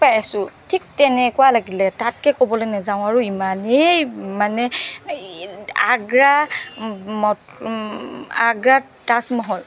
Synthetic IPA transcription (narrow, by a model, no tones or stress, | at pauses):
pajasʊtʰik̚tɛnɛkualaɡilɛtatkɛkobɔlonɛzaʊ̃aɹuimanemanɛ | aɡɹa | mɔ | aɡɹa | tasmɔɦɔl